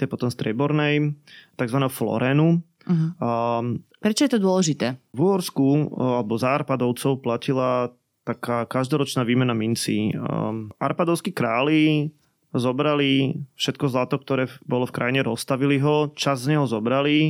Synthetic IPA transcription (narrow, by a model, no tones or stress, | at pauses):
t̪ɛjpɔt̪ɔmst̪ɾɪɛbɔɾnɛjt̪aɡzʋanɛːɦɔflɔ̰ɾɛːnu | pɾɛt͡ʃɔjɛt̪ɔd̪ʊɔlɛʒit̪ɛːvuɦɔɾskualɛbɔzaːɾpad̪ɔʊt͡sɔʊplacila | t̪akaːkaʒd̪ɔɾɔt͡ʃnaːʋiːmɛnamint͡sḭː | a̰ɾpad̪ɔʊskikɾaːli | zɔbɾalifʃɛt̪kɔzlat̪ɔk̚t̪ɔɾɛːbɔlɔfkɾa̰jɲɛɾɔst̪aʋiliɦɔt͡ʃazːɲɛɦɔzɔbɾali